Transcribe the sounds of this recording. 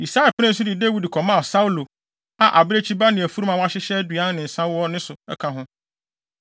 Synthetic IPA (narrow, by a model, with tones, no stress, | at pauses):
i˨sa˦ɛ˨pʰɪ˦nɛ̃˦n̩˦s̬ʊ˦dɪ˨de˦wi˨dkʰɔ˨mã˦˨sa˦u˦lo˨ | a˨ʔa˨bɪ˦ɾe˦t͡ɕʰi˦ba˦nɪ̃˨æ˨fu˦ɾu˦mã˨wa˦ɕɪ˦ɕɛ˦dɥã˦n˦nɪ̃˨n̩˨sã˦wɔ˦nɪ̃˦sʊ˨ɛ̰˦kʰã˨ɦʊ̃˦